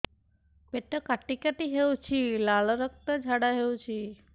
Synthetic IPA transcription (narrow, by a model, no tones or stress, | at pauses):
peʈəkaʈikaʈiɦewt͡ʃʰilalɔɾək̚t̪əd͡ʒʱaɽaɦewt͡ʃʰi